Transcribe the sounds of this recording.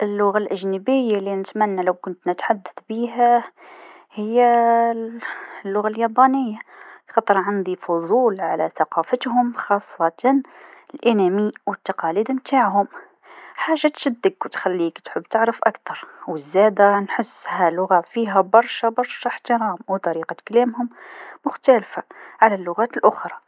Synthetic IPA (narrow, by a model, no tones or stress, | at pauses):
ʔəlːʊɣalʔæʒnəbɪjːalinət̪mænːalawkʊnt̪nət̪ħad̪ːaθbiɦæ | hɪjːæ | lːʊɣaljɑbɑnɪjːaxɑt̪ˤəɾˤʕand̪ifʊðˤuːlʕalæθaqɑfət̪hʊmxɑsˤːɑt̪ɑnlʔɪnæmiwət̪ːɑqɑlid̪mt̪aʕɦʊm | ħaːʒːat̪ʃæd̪ːəɡwt̪xælːiːkt̪ħəbːt̪əʕɾəfʔakt̪ɑɾˤwəzːæd̪anħəsːhælʊɣafiɦæbɑɾˤʃabɑɾˤʃħt̪əɾɑːmwt̪ˤɑɾiːqɑklæːmhʊmːʊxt̪ælfaʕalælːʊɣæːt̪əlʔʊxɾˤɑ